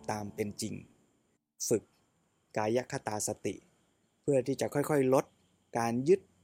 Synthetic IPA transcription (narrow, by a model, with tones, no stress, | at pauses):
t̪aː˧mpe˧nt͡ɕi˨˧ŋ | fɯ˨˩k̚ | kaː˧ja˦˥kʰa˧˩t̪aː˧sa˧t̪ḭ˨˩ʔ | pʰɯ˥˩ɐt̪ʰiː˥˩t͡ɕa˨˩ʔkʰɔ˥˩jkʰɔ˥˩jlo˦˥t̪̚ | kaː˧njɯ˦˥t̪̚